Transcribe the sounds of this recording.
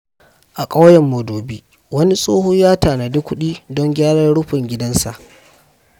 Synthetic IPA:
ʔa˨kʼa˦wjɛ˨mːo˨doː˨biː˦ | wɐ˦ni˦sʼoː˦hoː˦jaː˦taː˨na˨dʊ˦kʷːʊ˦ɗiː˦dɔ˦ŋɡʲaː˦ɽɐ˦rɽʊ˦ɸɪ˨ŋɡʲɪ˦dɐ˦nsa̰˨ʔ

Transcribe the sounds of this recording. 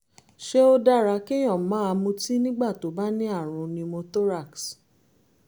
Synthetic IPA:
ʃe˦o˧da˦ɾa˧˦ke˦j̃ɔ̃˨mãː˨˦a˧mũ˧ti˦nĩ˦ɡ͡ba˦˨to˨˦ba˦nĩ˦a˦˨ɾ̃ũ˧nĩ˧mo˧to˦ɾa˦˨ks

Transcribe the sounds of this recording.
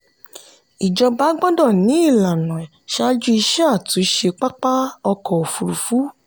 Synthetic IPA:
i˨d͡ʒɔ˧ba˦ɡ͡bɔ˦dɔ˦˨nĩ˨˦i˦˨la˨nã˨ʃa˦d͡ʒu˦i˧ʃɛ˦a˦˨tũ˨˦˧ʃe˧k͡pa˦k͡pa˦ɔ˧kɔ˨fu˨ɾu˨fu˨˦

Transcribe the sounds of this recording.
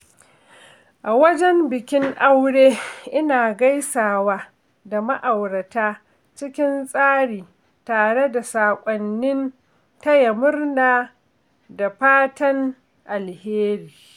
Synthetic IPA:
ʔa˨wɐ˦d͡ʒɛ˦mbɪ˨kʲɪ˦ŋʔa˦wɽeː˦ʔɪ˦naː˨ɡa˦jsaː˨waː˦ | da˨ma˦ʔa˨wɽɐ˨taː˦ | t͡ʃɪ˦kʲɪ˦nsʼaː˦ɽiː˨ | taː˨ɽe˦da˨saː˨kʷʼɔ˨nːɪ˦n | tɐ˦ja˨mʊ˦rnaː˨ | da˨ɸaː˦tɐ˦ŋ | ʔa˨lheː˦ɾiː˨

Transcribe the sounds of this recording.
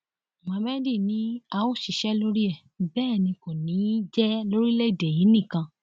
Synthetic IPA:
wã˨˧˦mɛ˦di˦˨nĩ˨˦a˧wo˦˨ʃi˨ʃɛ˦lo˦ɾi˦ɛ˦˨ | bɛː˦˨nĩ˧ko˨nĩ˨˦d͡ʒɛ˦lo˦ɾi˦le˦i˦˨de˨ji˨˦nĩ˦˨kã˧

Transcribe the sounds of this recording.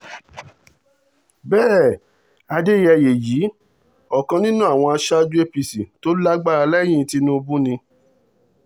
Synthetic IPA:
bɛː˦˨ | a˧de˦˨jɛ˧˨je˨ji˨˦ | ɔ˨kã˧nĩ˦nũ˦a˦˨w̃ɔ̃˧a˧ʃa˦d͡ʒu˦e˦pi˨si˨to˦la˦ɡ͡ba˦˨ɾa˧lɛ˦˨j̃ĩ˦˧ti˧˦nũ˦o˧bũ˦nĩ˧

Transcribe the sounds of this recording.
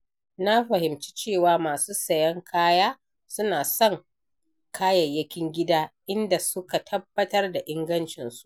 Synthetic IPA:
na˦ɸɐ˨hɪ˨mt͡ʃi̥˦t͡ʃeː˦˨waː˨maː˨suː˦sɐ˨jɐ˦ŋkʰaː˦jaː˦ | sʊ˦naː˨sɔ˦˨ŋ | kʰaː˦jɐ˨jːɐ˦kʲɪ˦ŋɡʲɪ˦daː˦ʔɪ˦nda˨sʊ˦ka˨tʰɐ˦bːɐ˦tɐ˦rda˨ʔɪ˦ŋɡɐ˦nt͡ʃɪ˨nsu̥˦ʔ

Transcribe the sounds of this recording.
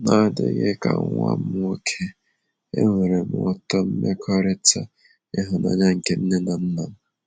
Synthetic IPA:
na˦˨dɪ̰˨˦ɣḛ˦ka̰˨˦a̰˦m̩˦o˦kʰe˦ | ḛ˦ŋʷe˨ɾe˨m̩˨˦ɔ˨tɔ˦m̩˦me˦kʰɔ˦ɾɪ˦ta˦ | e˦ɦʊ˨na̰˨ɲa˦ŋ̩˨ke˦n̩˦ne˦na˨n̩˦na˨m̩˨

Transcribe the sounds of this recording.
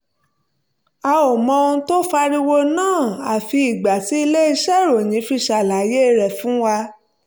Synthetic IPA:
a˧o˨mɔ̃˧õ˧˦to˦fa˧ɾi˧wo˧nãː˦˨a˨fi˧i˨ɡ͡ba˨ti˨˦i˧le˦i˧ʃɛ˦˨ɾo˨j̃ĩ˨˦fi˧ʃa˨la˨˦je˦˨ɾɛ˨fũ˨˦wa˧

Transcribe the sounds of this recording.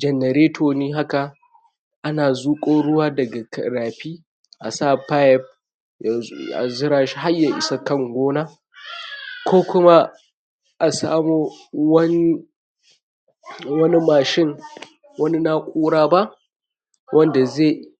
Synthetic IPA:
d͡ʒɛ˨nɛ˨ɾeː˦tʰoː˨niː˦ɦa˦ka˨ | ʔa˦naː˨zuː˦kʼoː˦ɽʊ˦waː˦dɐ˨ɡa˨kɐ˨ɾaː˨ɸiː˦ | ʔa˨sa˦˨pa˦jɛ˦p̚ | ja˨a̰˨zɪ˦ɾaː˨ʃi˦ɦa˦jːa˨ʔɪ˨˦sa˦kɐ˦˨ŋɡʷoː˦naː˦ | kʷoː˦kʷʊ˦ma˦ | ʔa˨sa̰ː˦muː˦wɐ˦n˦ | wɐ˦ni˦maː˨ʃɪ˦ŋ | wɐ˦ni˦na˦kʷʼuː˦ɽaː˦ba˦ʔ | wʔɐ˦nda˨ze˦˨

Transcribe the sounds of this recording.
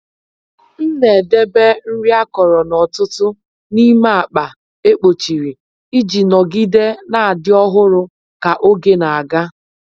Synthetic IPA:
n̩˦ne˨de˦be˦n̩˦ɾi˦a˦kɔ˨ɾɔ˨nɔ˨tʊ˦tʊ˦ | ni˦ma˦a˨k͡pa˨ | e˦k͡po˨t͡ʃi˨ɾi˨ | i˦d͡ʒi˨nɔ˨ɡi˦de˦na˨a˨dɪ˦ɔ˦ɦʊ˦ɾʊ˦ | ka˨ʔo˦ɡe˦na˨a˨ɡa˦

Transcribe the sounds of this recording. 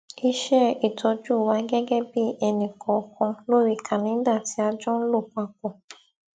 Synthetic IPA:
i˦ʃɛ˦i˨tʰɔ˧˦d͡ʒu˦˨wa˨˦ɡɛ˦ɡɛ˦bi˦ɛ˨nĩ˨kʰɔ˨kɔ̃˧lo˦˨ɾi˨kʰã˨nĩ˨˦da˦˨ti˦a˦d͡ʒɔ˦n̩˦lo˦˨kʷa˧kʷɔ˨

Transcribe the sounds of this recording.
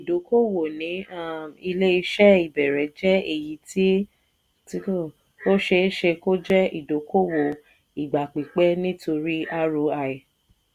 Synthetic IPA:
i˨do˨˦ko˦wo˨nĩ˨˦a˦˨i˧le˦i˧ʃɛ˦i˨bɛ˨ɾɛ˨˦d͡ʒɛ˦e˦˨ji˨˧˦ti˦ | ti˦ko˦˨ | o˦ʃe˧˦ʃe˧ko˦d͡ʒɛ˦i˦˨do˨˦ko˦wo˨ | i˨ɡ͡ba˨k͡pi˨k͡pɛ˦nĩ˦to˧ɾi˦a˦ɾo˧a˧˨i˨

